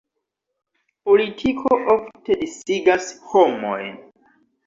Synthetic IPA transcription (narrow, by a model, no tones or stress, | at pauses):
po̞litʰikʰoʔofte̞disiɡashomo̰jn